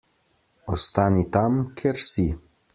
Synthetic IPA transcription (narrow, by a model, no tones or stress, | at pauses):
ɔst̪aːnit̪amkʰɛɾsi